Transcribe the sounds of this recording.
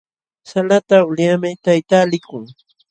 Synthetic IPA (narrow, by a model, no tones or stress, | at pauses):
salat̪aʊljamɪt̪ajt̪aːlɪkʊŋ